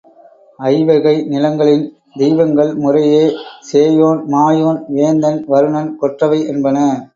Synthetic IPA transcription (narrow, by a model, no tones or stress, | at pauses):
ɐɪʋɐɣɐɪnɪlɐŋɡɐɭɪn | d̪ɛjʋɐŋɡɐɭmʊrɐjeːseːjoːnmaːjoːnʋeːnd̪ɐnʋɐɾɯɳɐnkɔʈrɐʋɐɪʔɛnbɐnɐ